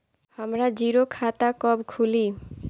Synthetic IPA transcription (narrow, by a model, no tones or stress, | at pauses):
hamɾad͡ʑiɾokʰat̪akɔbkʰuli